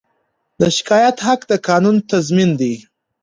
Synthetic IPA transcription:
d̪əʃɪ̥kɑjat̪hakd̪əkɑnunt̪azmind̪i

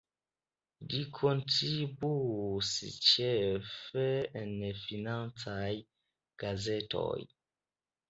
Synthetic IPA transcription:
ɡikʰontʰibusḭt͡ʃɛfɛɛnɛfinaŋt͡saj | ɡ̥azɛtɔ̰j

